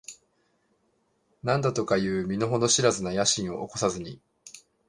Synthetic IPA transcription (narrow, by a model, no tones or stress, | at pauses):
nãnd̪at̪o̞kajɯ̟ːmʲino̞ɦo̞no̞ɕiɾazɨnajaɕĩɰ̃o̞oko̞sazɨɲ̟i